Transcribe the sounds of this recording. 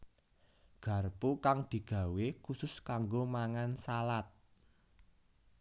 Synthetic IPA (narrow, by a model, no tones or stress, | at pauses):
ɡ̥ä̤rpokaŋd̪̥i̤ɡ̥ä̤wekusʊskaŋɡomaŋansalat̪̚